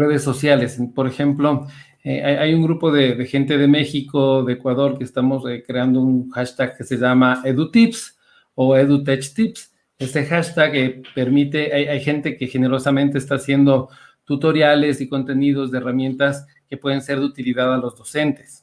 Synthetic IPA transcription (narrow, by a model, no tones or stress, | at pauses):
reðesːo̞sjale̞spo̞ɾe̞xe̞mplo̞ | eajajuŋɡɾupo̞ðe̞ðe̞xe̞nt̪e̞ðe̞me̞xiko̞ðe̞ːkwaðo̞ɾke̞ːst̪amo̞sekɾe̞and̪ounxaʃt̪aɡke̞se̞ʝamaeðut̪ips | o̞eðut̪et͡ʃt̪ips | ese̞xaʃt̪aɣepe̞ɾmit̪e̞ʔajʔajxe̞nt̪e̞ke̞xe̞ne̞ɾo̞samẽnt̪eːst̪aːsje̞nd̪o̞ | t̪ut̪o̞ɾjale̞siko̞nt̪e̞nið̞o̞zðeeramjẽ̞nt̪as | ke̞pwe̞ðe̞nse̞ɾðeut̪iliðaðalo̞zðo̞se̞nt̪e̞̥s